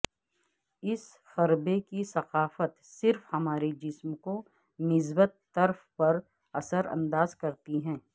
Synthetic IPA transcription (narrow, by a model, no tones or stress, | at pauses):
ɪs | xɐɾbekisɐqaːfət̪sɪɾfhɐmaːɾed͡ʒɪsmko | nɪz̬bət̪ːɐɾfpɐɾ | ɐsəɾɐ̰̃nd̪aːzkɐɾt̪iɦɛ̃ː